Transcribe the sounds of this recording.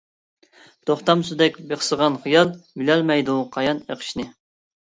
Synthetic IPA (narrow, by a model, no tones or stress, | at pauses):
t̪ʰoχt̪ɑmsud̪ɛkʲbeχsəʁɑnχijɑlˠbɪlælmɛjd̪uqʰɑjɑnḛqʰə̥ʃnɨ